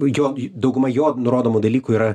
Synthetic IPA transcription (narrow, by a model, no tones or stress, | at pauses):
joːjd̪ɐʊɡʊmɐjoːnʊɾoːd̪oːmud̪ɐlʲiːkuiɾɐ